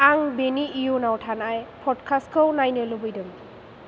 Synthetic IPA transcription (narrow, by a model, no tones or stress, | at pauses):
aŋbeniijonawtʰanajpʰɔdkʰaskɯwnajnɯlubɯjdɯm